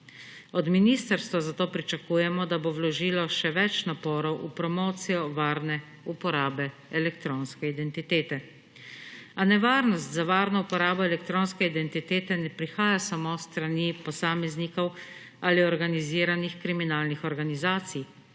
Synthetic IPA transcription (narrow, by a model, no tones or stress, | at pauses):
ɔd̪miniːst̪əɾst̪ʋazat̪oːpɾit͡ʃakuːjɛmɔd̪abowlɔʒiːlɔʃɛʋɛt͡ʃnapɔːɾɔwʔupɾɔmoːt̪sijɔʋaːɾnɛ | upɔɾaːbɛ | ɛlɛkt̪ɾoːnskɛid̪ɛnt̪it̪eːt̪ɛ | anɛʋaːɾnɔst̪zaʋaːɾnɔupɔɾaːbɔɛlɛkt̪ɾoːnskɛid̪ɛnt̪it̪eːt̪ɛnɛpɾixaːjasamost̪ɾanipɔsaːmɛznikɔw | aliɔɾɡaniziːɾanixkɾiminaːlnixɔɾɡanizaːt̪sij